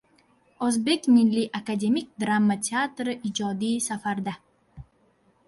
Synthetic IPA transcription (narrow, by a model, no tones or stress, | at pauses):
ozbe̞kʲmilːiʔakad̪ʲe̞mik̚ʲd̪ɾamːat̪ʰʲeat̪ɾɪʔid͡ʒɒd̪iːsafaɾd̪a